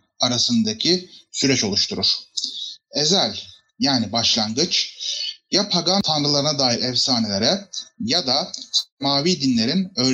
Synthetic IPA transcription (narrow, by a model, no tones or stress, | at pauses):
aɾasɯnd̪acʰisyɾɛt͡ʃo̞lˠuʃt̪ʰuɾuɾ̥ | e̞zælʲ | jaːnibaʃlˠaŋɡɯt͡ʃ | japʰaɡat̪ʰanɾɯlˠaɾɯnad̪aːjiɾɛvsaːne̞lʲe̞ɾɛjad̪asmaːviːd̪inlʲe̞ɾinø̞ːɾ